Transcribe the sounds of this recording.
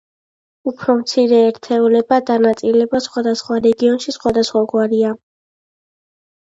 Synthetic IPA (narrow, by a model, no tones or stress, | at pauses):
upʰɾɔmt̪sʰiɾɛːɾt̪ʰɛulɛbad̪anat̪sʼilɛbasχwad̪asχwaɾɛɡiɔnʃisχwad̪asχwaɡwaɾia